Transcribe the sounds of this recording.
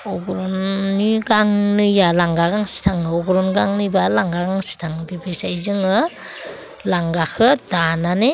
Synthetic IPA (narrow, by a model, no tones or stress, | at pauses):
ɔɡɾɔnːiɡaŋnɯjalaŋɡaɡaŋsi̥tʰaŋɯɔɡɾɔnɡaŋnɯjbalaŋɡaɡaŋsi̥tʰaŋbibesajzɯŋɯ | laŋɡakʰɯdanane